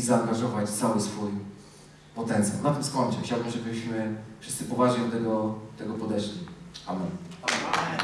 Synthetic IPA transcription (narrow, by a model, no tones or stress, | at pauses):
zaːŋɡaʐɔvat͡ɕt̪sawɘsfuj | pɔt̪ɛnt̪sʲja̰wnat̪ɘmskɔɲt͡ʂɨ̰xt͡ɕawbɘmʐɛbɘɕmɘfʂɘst̪sɘpɔvaʐɲɛd̪t̪ːɛɡɔt̪ɛɡɔpɔd̪ɛʂlʲia̰mɛn